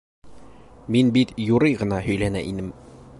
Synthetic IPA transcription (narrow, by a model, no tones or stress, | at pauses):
minbit̪juɾɤjʁɤ̆nɑɦɵ̆jlænæ̰ʔinɘm